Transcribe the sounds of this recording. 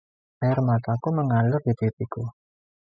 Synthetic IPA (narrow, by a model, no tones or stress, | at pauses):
ajarmat̪akuməŋalʊrd̪id̪̥ep̪iku